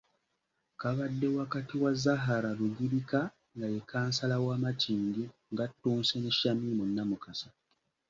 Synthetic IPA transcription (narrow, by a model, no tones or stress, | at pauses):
kaβadːe̞wakatiwazːaɦaɾaluɟiɾika | ŋɡajekʰaːnsalawaːmatʰiːɲɡiŋɡatːuːnseneʃːamimunːamukasḁ